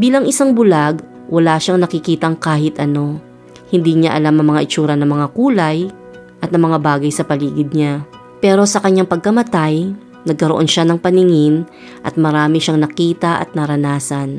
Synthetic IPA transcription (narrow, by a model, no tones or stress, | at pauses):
biːlɐŋʔɪsaŋbʊlaɡ | wɐlaːʃaŋnɐkɪkiːt̪ɐŋkaːhɪt̪ʔɐno̞ | hɪnd̪iɲaʔɐlamɐŋmɐŋaʔɪt͡ʃuːɾɐnɐŋmɐŋakuːlɐj | ʔɐt̪̚nɐmɐŋabaːɡɐjsɐpɐliːɡɪd̪̚ɲa | pɛːɾo̞sɐkɐɲːaŋpɐɡ̚kɐmɐt̪aj | nɐɡ̚kɐɾoʔo̞nʃanɐŋpɐnɪŋɪn | ʔɐt̪̚mɐɾaːmɪʃaŋnɐkiːt̪ɐʔɐ̰t̪̚nɐɾɐnaːsɐn